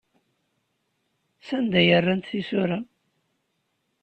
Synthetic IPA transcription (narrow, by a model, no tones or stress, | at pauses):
sænd̪æjərːant̪θisʊɾa